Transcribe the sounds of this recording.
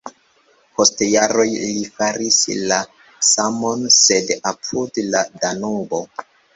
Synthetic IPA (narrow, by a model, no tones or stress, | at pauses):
pʰo̞stjaɾo̞jlifaɾisla | samo̞nse̞dapʰudladanubo̞